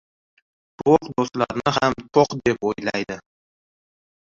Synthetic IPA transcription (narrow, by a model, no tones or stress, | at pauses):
t̪ʰoqd̪ost̪la̰ɾnɪɦamt̪ʰoqd̪e̞pojlajd̪ɪ